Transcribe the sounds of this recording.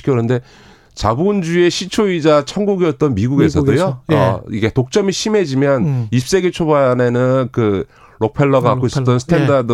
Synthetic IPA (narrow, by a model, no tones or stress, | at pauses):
i̥kʰjʌnɯnde̞ | t͡ɕabund͡ʑue̞ɕʰit͡ɕʰoid͡ʑat͡ɕʰʌŋɡuɡiʌt̚t͈ʌnmiɡuɡe̞sʰʌdojoʌ̰iɡe̞tok̚t͡ɕ͈ʌmiɕʰime̞d͡ʑimjʌnip̚s͈e̞ɡet͡ɕʰobane̞nɯnkɯ | ɾok̚pʰe̞ɭːʌɡak͈oisʌt͈ʌnsʰɯ̥tʰendad